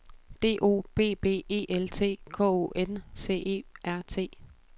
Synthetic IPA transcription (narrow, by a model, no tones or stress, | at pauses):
d̥e̝̰ːʔo̝̰ːb̥e̝̰ːb̥e̝̰ːe̝ːʔelt͡sʰe̝̰ːkʰɔ̰ːo̝̰ʔense̝̰ːe̝̰ːʔæɐ̰t͡sʰe̝̰ː